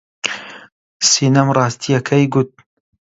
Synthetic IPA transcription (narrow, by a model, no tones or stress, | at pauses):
siːnɐmrˤɑːst̪ʰijɐkʰɐjɡut̪̚